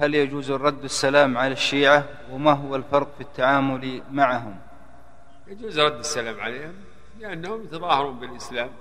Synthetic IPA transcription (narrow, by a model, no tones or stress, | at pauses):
haljad͡ʒuːzrˤɑd̪ːasːalaːmʕalaʃːiːʕa | wɪmaɦʊwalfɑɾˤqfit̪ʰːaʕaːmʊlmaʕɦʊm | jad͡ʒuːzɾˤɑd̪ːɪsːalaːmʕa̰leːhʊm | lɪʔanːhʊmjat̪ɑðˤɑːhɑɾˤuːnbɪlʔɪslaːm